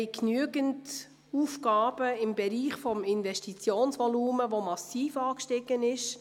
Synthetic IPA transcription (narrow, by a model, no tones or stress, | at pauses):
ɪknyəɡənt | uːfkɑːb̥əɪmbɛɾiːχfɔmɪnvɛʃtit͡sjoːnsʋɔluːməʋomɑsiːfɑːkʃtɪɡ̥ənɪʃ